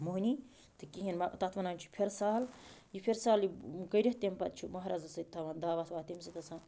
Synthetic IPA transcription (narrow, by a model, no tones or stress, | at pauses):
muɦnʲi | t̪ɨkiɦinmɐt̪ɐt̪ʰʋɐnaːnʲt͡ʃʰu̥pʰeɾsaːljipʰʲeɾsaːljikɐɾʲɐht̪empɐt̪̚t͡ʃʰumɐɦɾazɐsɨt̪ʰɐʋɐnd̪aːʋat̪ʰʋaːt̪imsit̪ɐsan